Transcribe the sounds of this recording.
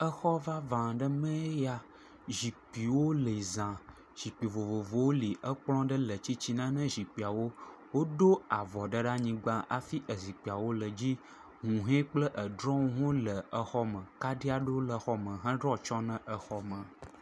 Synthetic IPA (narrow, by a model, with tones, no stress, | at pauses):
ə˦xɔ˦va˦vã˨ɖə˦mɛ̃˦ja˦ | ʒi˨k͡pi˨wo˦le˨i˨zã˨ | ʒ̥i˨k͡pi˨vo˨vo˨vo˨wo˦li˨ʔə˦k͡plɔ̃˦ɖə˦lə˨t͡ɕi˦t͡ɕi˦nã˦nə̃˦ʒi˨k͡pi˨a˨wo˦ | wo˦ɖo˦a˨vɔ˨ɖə˦ɖa˦ɲĩ˦ɡ͡ba˦ʔa˨fi˦ʔə˨zi˨k͡pi˨a˨wo˦lə˨d͡ʑi˦ | ŋũ˨ɦẽ˦k͡plə˦ʔə˨ɖɾɔ˦ŋũ˦ɦõ˦lə˨ə˨xɔ˦mə̃˨ka˦ɖi˦a˦ɖo˦lə˨xɔ˦mə̃˨ɦə̃˦ɖɾɔ˦t͡ʃɔ˦nə̃˨ʔə˨xɔ˦mə̃˨